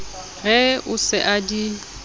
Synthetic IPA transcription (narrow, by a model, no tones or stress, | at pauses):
ɣɛʊsɪʔadi